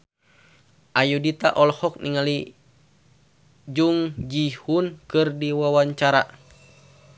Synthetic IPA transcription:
ʔajudit̪a̰ʔɔlhɔk̚niŋali | d͡ʒuŋd͡ʒihunkɨrdiwawaɲt͡ʃaɾa̰

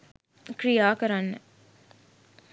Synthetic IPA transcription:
kɾijaːkɐɾanːə

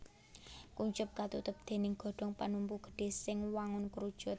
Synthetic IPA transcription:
kuɲt͡ʃʊp̚kat̪ut̪ʊp̚d̪̥e̤nɪŋɡ̥ɔ̤ɖ̥ɔ̤ŋpanumpuɡ̥ə̤̥ɖ̥e̤sɪŋwaŋʊnkuɾud̥ʒ̥ʊ̤t̪̚

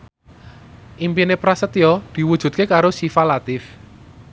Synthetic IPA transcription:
ʔimpinepɾasət̪jɔd̪̥i̤wud̥ʒ̥ṳt̪̚kekaɾosifalat̪ɪf

